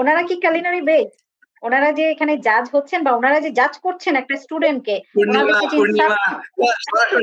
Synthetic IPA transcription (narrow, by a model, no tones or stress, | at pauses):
onaɾakikalinaɾibed͡ʑ | onaɾad͡ʑeekʰaned͡ʑad͡ʑɦotːɕʰenbaonaɾad͡ʑed͡ʑad͡ʑkoɾt͡ɕʰenɛk̚ʈasʈuɖeɳʈ̚keabead͡ʑiniʃaa